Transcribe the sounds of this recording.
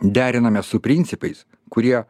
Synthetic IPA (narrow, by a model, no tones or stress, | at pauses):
d̪ʲæːɾʲɪnɐmʲɛssʊpʲɾʲɪnʲt̪ʲɪpɐɪs | kʊɾʲiɛ